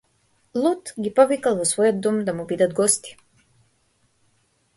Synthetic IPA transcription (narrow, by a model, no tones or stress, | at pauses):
lˠut̪ɡipɔvikalˠvɔsvɔjɔd̪̚ːɔmd̪amubid̪ad̪̚ɡɔst̪i̥